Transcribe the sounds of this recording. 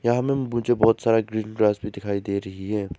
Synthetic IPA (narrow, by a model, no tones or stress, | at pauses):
jɐɦãmẽmʊd͡ʒebɔɦt̪saːɾaɡɾiːnɡɾaːsbʱid̪ɪkʰaːid̪eːɾɐɦiɦɛː